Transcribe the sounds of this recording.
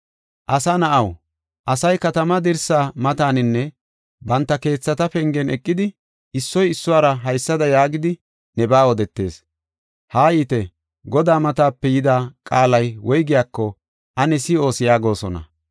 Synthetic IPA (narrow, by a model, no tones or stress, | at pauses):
ʔɐsɐnɐʔɐw | ʔɐsɐjkɐt̪ɐmɐd̪ɪɾsaːmɐt̪aːnɪnːɛ | bɐnt̪ːɐke̞ːt͡sːɐt̪ɐpɛŋɡɛnʔɛkʼːɪd̪ɪ | ɪsːɔjɪsːʊwaːɾɐɦɐjsːɐd̪ɐjaːɡɪd̪ɪ | nɛbaːwɔd̪ɛt̪ːe̞̰ːs | haːjiːt̪ɛ | ɡɔd̪aːmɐt̪aːpːɛjɪd̪aːkʼaːlɐjwɔjɡɪjaːkːɔ | ʔɐnɛsɪo̞ːsɪjaːɡo̞ːsɔnɐ̰